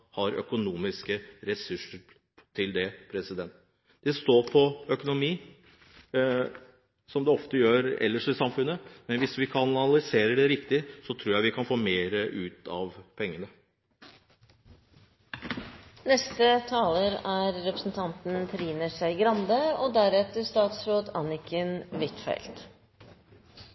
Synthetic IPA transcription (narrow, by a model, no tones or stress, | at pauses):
hɑɾœ̰kʊnuːmɪskəɾɛsʉʂəɾ | t̪ʰɪld̪ɛpʰɾɛsɪd̪ɛnt̪ | d̪̥ɛst̪oːɾpʰɔœkʊnʊmiː | sɔmd̪ɛɔft̪əjøːɾɛ̰lːəʂɪsɑmfʉnːəmɛnʋɪsʋɪkʰɑnɑnɑlɪseːɾəɖɛɾɪkt̪ɪsɔt̪ʰɾuːɾjæɪʋɪkʰɑnfoːmeːɾəʔʉːt̪ɑ̰ʋpʰɛŋːənə | nɛst̪ət̪ʰɑːləɾæɾɾɛpɾəsn̩t̪ʰɑnt̪n̩pʰɾiːnəʂæɪɡɾɑnd̪əɔd̪æɾɛt̪əʂt̪ɑːt̪sɾoːd̪ɑnɪkʰənʋɪt̪fæ̰ɪlt̪